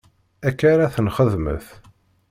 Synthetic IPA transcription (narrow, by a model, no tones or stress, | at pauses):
ækːaɾaθənχəðmə̰θ